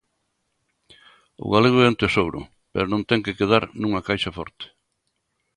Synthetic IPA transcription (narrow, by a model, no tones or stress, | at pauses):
ʊ̰ɣaleɣʊɛnt̪esowɾʊ̰ | peɾonõnt̪ɛŋkekeð̞aɾnũŋɐkajʃafɔɾt̪e̥